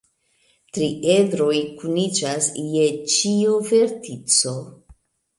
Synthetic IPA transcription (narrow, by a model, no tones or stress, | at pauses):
tɾiʔedɾo̞jkunid͡ʒasje̞t͡ʃiuve̞ɾtit͡so̞